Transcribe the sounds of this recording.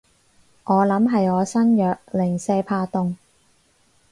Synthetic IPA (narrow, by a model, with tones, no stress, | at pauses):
ŋʔɔː˨˧lɐ˨˥mɦɐ˨jɔː˨˧sɐ˥njœː˨k̚lɪ˨˩ŋsɛː˧pʰaː˧t̪ʊ˧ŋ